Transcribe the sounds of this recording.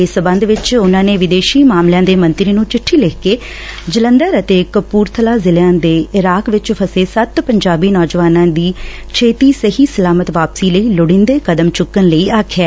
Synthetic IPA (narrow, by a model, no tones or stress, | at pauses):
eːsbə̃nd̪ʋɪt͡ʃʊnãːneːʋɪd̪eːʃiːmaːmljãːd̪eːmənt̪ɾiːnũːt͡ʃɪʈʰːiːlɪkʰkeː | d͡ʒələnd̪əɾət̪eːkəpuːɾt̪ʰəlaːzɪlãːd̪eːɪɾaːkʋɪt͡ʃpʰəseːsət̪pəɲd͡ʒaːbiːnɔːd͡ʒʋaːnãːd̪iː | t͡ʃʰeːt̪iːsəɦiːsəlaːmət̪ʋaːpsiːləiːlʊɽɪ̃nd̪eːkəd̪əmt͡ʃʊkːənləiːaːkʰɛː